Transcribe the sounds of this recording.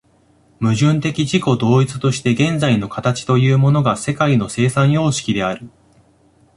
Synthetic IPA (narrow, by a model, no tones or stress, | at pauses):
mɯ̟ʑɨ̃nt̪e̞kʲiʑiko̞d̪o̞ːit͡sɨ̥t̪o̞ɕi̥t̪e̞ɡẽ̞nd͡zaino̞kat̪at͡ɕi̥t̪o̞jɯ̟ːmo̞no̞ɡase̞kaino̞se̞ːsãɰ̃jo̞ːɕi̥kʲid̪e̞aɾɯ̟